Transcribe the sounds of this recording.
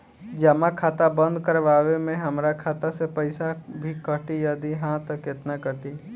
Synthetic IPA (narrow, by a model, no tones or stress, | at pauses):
d͡ʒɐmakʰaːt̪abə̃nd̪kəɾʋaːʋemẽɦɐmɾakʰaːt̪asepɐɪsabʱikəʈijɐd̪iɦãt̪ɐkɪt̪nakəʈi